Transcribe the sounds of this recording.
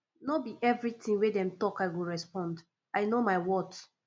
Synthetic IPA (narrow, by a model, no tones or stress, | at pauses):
nɔbiʔɛvɹitĩŋwedɛ̃mtɔkaɪɡuɹɛspɔ̃nd | aɪnomaɪwɔt